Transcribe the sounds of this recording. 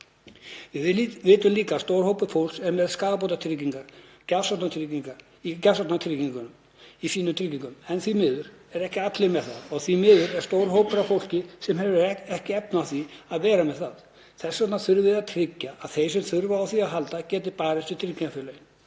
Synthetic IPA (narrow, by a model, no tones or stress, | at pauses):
vɪvvɪːt̪ʏmliːkaːst̪owɾ̥howpʏfowl̥sɛɾmɛðskaːðapowt̪at̪ʰɾɪciŋkaɾ̥ | casɔt̪nat̪ʰɾciŋkaɾ | icasat̪nat̪ʰɾɪciŋkʏnʏm | ifiːnːʏmt̪ʰɾɪcːiŋkʏmɛnθimɪːðʏɾɛɾɛhcɪat̪lɪmɛðθaðɔɣθimɪːðʏɾɛ̥st̪owɾ̥ɦoːwpʏɾafowl̥cɪsɛmhɛvɛhcɪɛpnawθiaðvɛːɾamɛðθað | θɛsːat̪naθʏɾvɪðaðt̪ʰɾɪcːaaðθejs̬ɛmθʏɾvaːwθiaðɦalt̪acɛːt̪̬ɪpaːɾɛst̪ɪt̪ʰɾɪcːiafɪlœj